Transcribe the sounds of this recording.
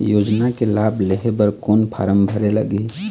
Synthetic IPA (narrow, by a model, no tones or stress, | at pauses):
joːd͡ʒnakelableɦebəɾkoːnpʰa̰ːɾəmbʱəɾelə̰ɡi